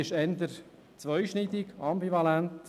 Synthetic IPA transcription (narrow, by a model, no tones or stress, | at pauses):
ɪʃɛnd̪əɾ | t͡sʋœʏʃnid̪ɪkɑmbivɑlænt